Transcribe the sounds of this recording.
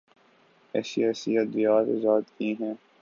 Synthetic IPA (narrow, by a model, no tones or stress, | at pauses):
ɛ̰ːsiɛːsiət̪zijaːd̪zaːd̪kiɦɛ̃ː